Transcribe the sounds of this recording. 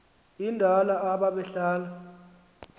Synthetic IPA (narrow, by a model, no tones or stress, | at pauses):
indʱalaːɓaɓɛɬaːla